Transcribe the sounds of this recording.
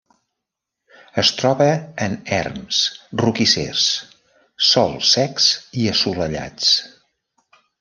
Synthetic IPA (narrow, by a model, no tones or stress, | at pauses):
əst̪ɾɔβəːnɛ̰rmsrukisḛs | sɔlˠsɛksiəsuləʎa̰t͡s